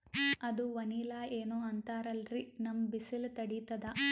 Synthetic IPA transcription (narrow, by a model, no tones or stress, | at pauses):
ɐd̪uʋɐniːlaːeːnoːɐnt̪aːɾɐlɾinɐmbisilt̪ɐɽit̪ɐd̪ɐ